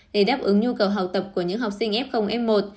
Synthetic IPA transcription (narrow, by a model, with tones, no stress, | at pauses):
ɗe˧˩ɗaː˦˥p̚ʔɨ˧˦ŋɲu˧kə˨˩wɦa˨˩w̚t̪ə˨˩p̚ku˧˩əɲɨ̰˧˥ŋɦa˨˩wk͡p̚si˧ŋʔɛ˦˥p̚xə˧wŋ͡mʔɛ˦˥m̚mo˨˩t̪̚